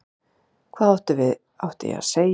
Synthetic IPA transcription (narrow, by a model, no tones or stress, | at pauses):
kʰvaːðawht̪ɪvɪð | awht̪ɪjɛ̰a̰ðsej